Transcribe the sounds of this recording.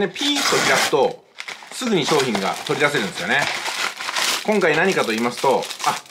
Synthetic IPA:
nepʲiːsɨ̥t̪o̞ɾʲid̪asɨ̥t̪o̞ | sɨɡɯ̟ɲ̟iɕo̞ːçĩŋɡa̰t̪o̞ɾʲid̪ase̞ɾɯ̟nd̪esɨjone̞ | kõ̞ŋkainaɲ̟ikat̪o̞iːmasɨ̥t̪o̞a

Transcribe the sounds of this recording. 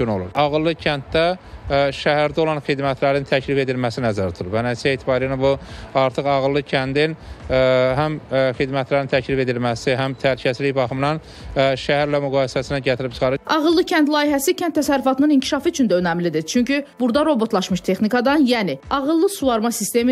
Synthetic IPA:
no̰lˠṵɾɑɣɯlˠːɯcʰænt̪̚d̪æʃæhæɾd̪æo̞lˠɑnxid̪mæt̪ʰlæɾint̪ʰæcʰlife̞d̪ilmæsinæzæɾt̪ʰuɾˠuvænæsʰeːt̪ʰibɑːɾijnabuɑɾt̪ʰɯχɑɣɯlˠːɯcʰænd̪in | ɦæmxid̪mæt̪læɾint̪ʰæcʰlife̞d̪ilmæsiɦæmt̪ʰælcʰæsliçbɑχɯmnɑn | ʃæhæɾlæmyɡɑːisæsinæɟæt̪ʰiɾip̚t͡ʃʰɯ̥χɑɾɯɑɣɯlˠːɯcʰænt̪lˠɑːiɦæsicʰænt̪ʰːæsæɾːyfɑt̪ʰɯnɯniɲcʰi̥ʃɑfɯyt͡ʃʰynd̪æønæmlid̪it͡ʃʰyɲcybuɾd̪ɑɾo̞bo̞t̪lˠɑʃmɯʃt̪ʰe̞xnikɑd̪ɑnjæniɑɣɯlˠːɯsuvɑɾmɑsist̪e̞mi

